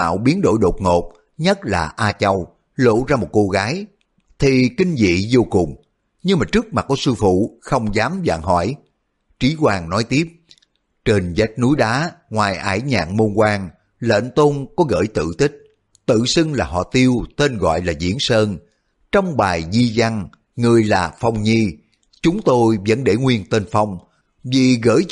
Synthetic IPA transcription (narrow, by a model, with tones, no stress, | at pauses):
a̰ː˧˨wɓi˨˦ənɗo̰˧˩jɗo˨˩t̚ŋo˨˩p̚ | ɲə˦˥t̚laː˨˩ʔaː˧t͡ɕə˧w | lo̰˧˨zaː˧mo˨˩t̚ko˧ɣaː˨˦j | t̪ʰi˨˩kï˧ŋ̟zḭ˧˨zo˧kʊ˨˩ŋ͡m | ɲɨ˧ŋmaː˨˩t͡ɕɨ˦˥ək̚ma˨˩t̚kːɔ˨˦sɨ˧fṵ˧˨xə˧wŋ͡mzaː˨˦mza̰ː˧˨ŋɦɔ̰˧˩j | t͡ɕi˨˦kwaː˨˩ŋnɔ˨˦jt̪i˦˥əp̚ | t͡ɕe˨˩nza˦˥jk̚nu˨˦jɗaː˨˦ŋwaː˨˩jʔa̰ː˧˩jɲa̰ː˧˨ŋmo˧nkwaː˧ŋ | lə̰˧˨nt̪o˧nkɔ˨˦ɣə̰ː˧˩jt̪ɨ̰˧˨t̪ï˦˥k̟̚ | t̪ɨ̰˧˨si˧ŋlaː˨˩hɔ̰˧˨t̪i˧əwt̪e˧nɣɔ̰˧˨jlaː˨˩zḭ˧˥ənsəː˧n | t͡ɕɔ˧wŋ͡mɓaː˨˩jzi˧za˧ŋ | ŋɨ˨˩əjlaː˨˩fɔ˧wŋ͡mɲi˧ | t͡ɕʊ˨˦ŋ͡mt̪o˧jvə̰˧˥nɗe˧˩ŋwi˧ənt̪e˧nfa˧wŋ͡m | vi˨˩ɣə̰ː˧˥j